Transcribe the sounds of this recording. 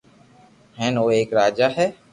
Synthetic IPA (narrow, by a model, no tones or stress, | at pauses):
hɛ̃ːnoːeːkɾaːd͡ʒaːɦɛː